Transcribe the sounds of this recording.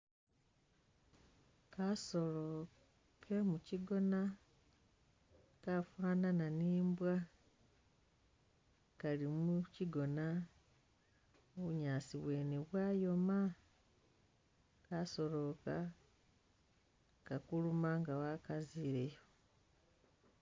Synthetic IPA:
kasolo | kʰe̞muciɡo̞na | kafwaːnananiːmbwa | kalimuciɡo̞na | oβuɲaːsiβwe̞neβwaːjo̞ma | kaso̞lo̞ka | kakulumaŋɡawakaziɾejo

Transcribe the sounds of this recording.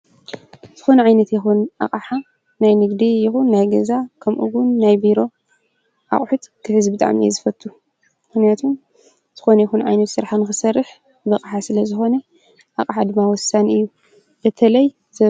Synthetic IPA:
z̥ɨxo̞nɐʕajnɐt̪jɪxunʔa̰χʼaħa | najnɨɡd̪ijɪxunːajɡɐzakʰɐmʔṵɡunːajbiɾo̞ | ʔa̰χʼħut̪kʰɨhɨzbɨt̪ʼa̰ʕmijḛzɨfɐt̪ʰːu | mɨxnijat̪ʰum | z̥ɨxo̞nɐjxunʕa̰jnɐt̪sɨɾħanɨxɨsɐrːɨħ | bɐkʼħasɨlɐzɨxo̞nɐ | ʔaqʼaħad̪ɨmːawɔsanɨjːu | bɐt̪ʰɐlɐj | zɐ

